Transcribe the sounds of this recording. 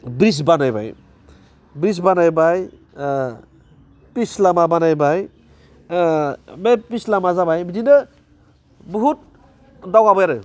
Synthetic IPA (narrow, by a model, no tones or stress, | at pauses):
bɾis̬banajba̰j | bɾis̬banajbaj | pislamabanajbaj | bepislamazabajbidinɯ | bɔɦut̚ | dawɡabɔjaɾɯ